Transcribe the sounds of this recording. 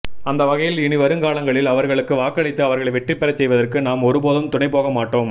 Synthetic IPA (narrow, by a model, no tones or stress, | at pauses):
ɐnd̪ɐʋɐɣɐjɪlɪɳɪʋɐɾɯŋkaːɭɐŋɡɐɭɪlɐʋɐɾɣɐɭɯkːɯʋaːkːɐɭɪt̪ːɯɐʋɐɾɣɐɭɐʋɛʈːrɪpːɛɾɐt͡ʃːsɛjʋɐðɐrkɯnaːmɔɾɯpoːðɯmt̪ʊɳɐɪpoːɣɐmaːʈːoːm